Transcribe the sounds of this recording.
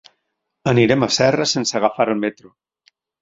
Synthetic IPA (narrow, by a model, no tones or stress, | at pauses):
əniɾemasɛrasensaɣ̞afaɾelmet̪ɾu